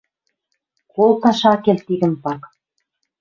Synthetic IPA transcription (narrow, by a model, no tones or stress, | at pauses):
kolˠt̪ɑʃɑkelt̪iɣə̆mpɑk